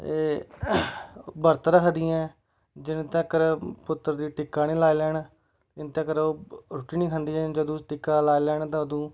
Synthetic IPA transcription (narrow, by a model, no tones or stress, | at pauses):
eː | bəɾt̪ɾəkʰd̪ɪːɛ̃ː | d͡ʒɪnt̪ẽkəɾpʊt̪ːəɾd̪iːʈɪkːaːniːlaːiːlɛːn | ɪnt̪ekəɾoːɾʊʈiːniːkʰə̃nd̪iːɛ̃ːd͡ʒəd̪õːʈɪkaːlaːilɛːnt̪ãːəd̪õː